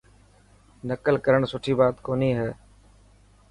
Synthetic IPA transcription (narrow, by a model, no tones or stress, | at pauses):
nəkəlkəɾəɳ̃sʊʈʰiːbaːt̪koːniːɦɛː